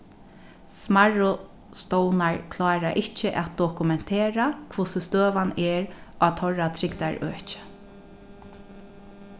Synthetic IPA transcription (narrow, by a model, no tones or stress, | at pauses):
smaɹʊ | st̪ɔwnaɹkʰlɑːɾaʔɪt͡ʃɪʔa̰t̪̚d̪ɔkʊmɛn̥t̪ʰeːɾakʰvʊsɪst̪øːʋanɛːɹaːt̪ʰɔɹat̪ʰɾɪkt̪aɹøːht͡ʃɪ̥